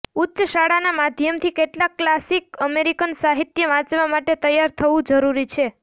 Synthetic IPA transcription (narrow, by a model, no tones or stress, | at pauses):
utːʃəʃaɽanamad̪ʱjəmt̪ʰikeʈlakːlasikəmeɾikənsaɦit̪jəʋãt͡ʃʋamaʈet̪əjaɾt̪ʰəʋũd͡ʒəɾuɾit͡ʃʰe